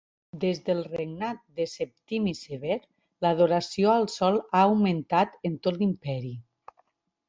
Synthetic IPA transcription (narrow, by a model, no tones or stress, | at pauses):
d̪ezðəlˠreɡnat̪̚d̪əsep̚t̪imiseβeɾ | laðoɾasioalˠsɔlaːwment̪at̪ent̪ot̪limpɛɾi